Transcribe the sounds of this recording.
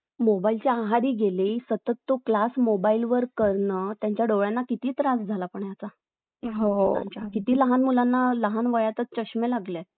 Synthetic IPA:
mobailt͡ɕeaɦaɽiːɡeliːsət̪ət̪ːoklasmobailʋəɾkəɾɳət̪jaɲt͡ɕjaɖoʋɭjanːakit̪iːt̪ɾasd͡zʱalapəɳjat͡sa | ɦokit̪iːləɦanmulanːaləɦanʋəjat̪ət͡st͡ɕəɕmelaɡle

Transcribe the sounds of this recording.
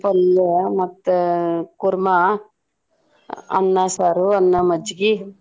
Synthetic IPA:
pɐlːemɐt̪ːekuɾma | ɐ̰nːasaːɾuɐnːɐmɐd͡ʒɡi

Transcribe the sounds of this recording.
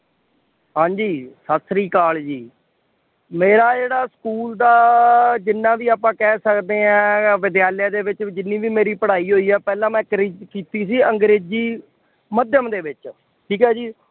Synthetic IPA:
ɦãːɲd͡ʒiːsəsʰɾiːkaːld͡ʒiː | meːɾaːd͡ʒeːɽaːskuːld̪aːd͡ʒɪnːãːʋiːaːpãːkɛːsəkd̪eːãːʋɪd̪jaːlɪjãːd̪eːʋɪt͡ʃd͡ʒɪnːiːʋiːmeːɾiːpəɽaːiːɦoːiːɛːpɛːlãːmɛ̃ːkɾiːkiːt̪iːs̬iːə̃ŋɡɾeːd͡ʒiː | məd̪jəmd̪eːʋɪt͡ʃ | ʈʰiːkɦɛːd͡ʒiː

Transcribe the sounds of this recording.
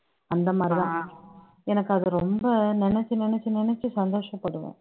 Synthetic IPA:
ɐnd̪ɐmaːd̪ɾiðãː | ɛnɐkːɯɐðɯɾɔmbɐnɪnɛt͡ʃːɯnɪnɛt͡ʃːɯnɪnɛt͡ʃːɯsɐnd̪oːʂɐ̃pɐɽɯʋḛ̃ː

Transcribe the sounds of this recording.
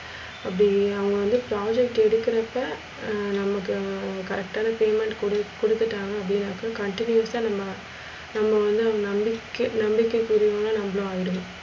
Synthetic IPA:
ɐpːɽiɐʋɐŋɡɐʋɐnd̪ɯpɾaːd͡ʒɛkʈɛɽɯkːɪɾɐpːɐ | nɐmːɐkːɯkɐɾɛk̚ʈaːnɐpeːmɛɳʈkɽkɔɽɯt̪ːɯʈːaːŋɡɐːpːɐɽɪnaːkːɐkɐɳʈɪnjʊɐsaːnɐmːɐ | nɐmːɐʋɐnd̪ɯɐʋɐŋɡɐnɐmbɪkːɯnɐmbɪkːɐkːuɾɪʋoːnaːnɐmbɐɭõaːjɪɾɯm

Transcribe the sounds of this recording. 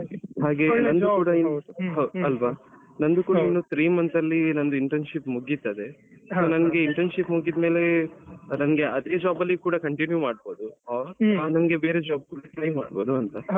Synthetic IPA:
haːɡe̞ːnɐnd̪ukuːɽɐinɦɐlʋaː | nɐnd̪ukuːɐinːut̪ɾiːmɐnt̪ɐlːinɐnd̪uiɳʈɐnʃipmuɡit̪ːɐd̪e̞soːnɐnɡe̞iɳʈɐnʃipmuɡid̪me̞ːle̞nɐnɡe̞ɐd̪eːd͡ʒaːbɐlːikuːɽɐkɐɳʈinjumaːɽbo̞ːd̪u | aːnɐnɡe̞be̞ːɾe̞d͡ʒaːb̚ɡulit̪ɾɐjmːa̰ːɽbo̞ːd̪uɐnt̪ɐ

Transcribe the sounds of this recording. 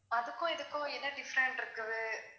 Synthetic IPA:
ɐðɯkːʊ̃ɪðɯkːʊ̃ɛnːɐɖɪfɐɾɛɳʈɪɾɯkːɐʋɯ

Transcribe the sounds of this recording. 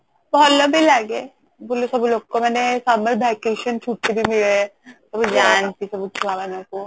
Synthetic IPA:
bɔɔt̪lɐbʱilaɡeː | boːlosɐbloɡkomɛːnesaːmɐɾbʱɛːkeːʃənt͡ʃʰuːʈːebʱimɪlesɐbd͡ʒaːnt̪isɐbut͡ʃʰuamɛnẽko

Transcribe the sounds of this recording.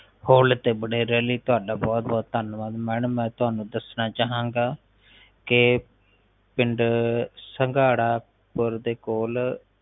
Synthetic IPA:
hoːlt̪eːbəɽeːɾɛːliːt̪ʊaːɖaːbɔːt̪̚bɔːt̪ːənʋaːd̪mɛːɳəmɛ̃ːt̪ʊɦaːnũːd̪əsnaːt͡ʃaːɦãːŋɡaː | kɪ | pɪɳɖsəŋɡaːɽaː | pəɾd̪eːkoːl

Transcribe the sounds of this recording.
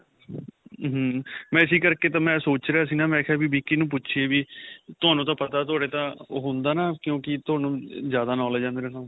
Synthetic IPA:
ɦmɛ̃ːɪs̬iːkəɾkeːt̪ãːmɛ̃ːsoːt͡ʃɾeaːs̬iːnãːmɛ̃ːkʰɛːbiːbiːkiːnũːp̬ʊtːʃʰeːʋiːt̪ʊaːnũːt̪ãːpət̪aːt̪ʊaːɽeːt̪ãːɦõːnd̪aːnaːkjõːkɪt̪ʊaːnũːzjaːd̪aːnɔːlːd͡ʒãːnd̪ɾãːnã

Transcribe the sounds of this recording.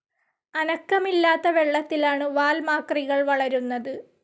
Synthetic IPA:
ɐnɐkːɐmilːaːt̪ːɐʋe̞ɭːɐt̪ːilaːɳɨʋaːlmaːkriɣɐɭʋɐɭɐɾunːɐðɨ

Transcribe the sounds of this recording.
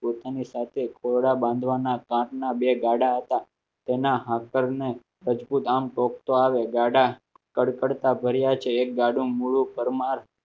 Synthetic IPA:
pot̪anisat̪ʰekʰoɽabãnd̪ʱʋanakãʈnabeɡaɽaɦət̪a | t̪enaɦãkəɾne | ɾəd͡ʒbut̪amʈɔkt̪oaʋeɡaɽa | kəɽkəɽt̪abʱəɾjat͡ʃʰeːk̚ɡaɖũmuɭũpəɾmaɾ

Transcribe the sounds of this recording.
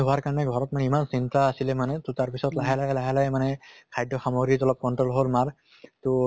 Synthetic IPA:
ɦɔwaɹkaɹɔnɛɡʱɔɹɔt̚manɛimansint̪aːsilɛmanɛtʊtaɹpisɔtlaɦalajlaɦalajmanɛkʰajdʱɔxamoɡɹizɔlɔp̚kɔnʈɹɔlɦolmaɹ | t̪o

